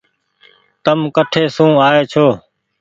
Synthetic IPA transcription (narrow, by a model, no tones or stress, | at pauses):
t̪əmkəʈʰeːsũːaːeːt͡ʃʰoː